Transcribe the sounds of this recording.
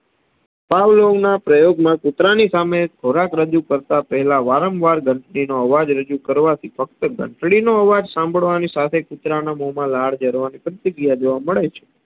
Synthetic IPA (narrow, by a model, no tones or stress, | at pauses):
paʋloɡnapɾəjoɡmãkʊt̪ɾanisamekʰoɾakɾəd͡ʒukəɾt̪apəɦɛlaʋaɾəmʋaɾɡəɳʈɽinoəʋad͡ʒɾəd͡ʒukəɾʋat̪ʰifək̚t̪əɡə̰̃ɳʈɽinoəʋad͡ʒsãmbʱəɭʋanisat̪ʰekʊt̪ɾanamomãlaɽ̤d͡ʒəɾʋanipɾət̪iɡijad͡ʒoʋaməɭet͡ʃʰe̥